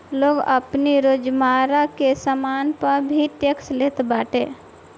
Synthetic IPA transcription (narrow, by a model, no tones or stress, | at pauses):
loːɡə̰pniɾod͡ʒmaːɾakesəmaːnpəɾbʱiʈjəksleːt̪baːʈeː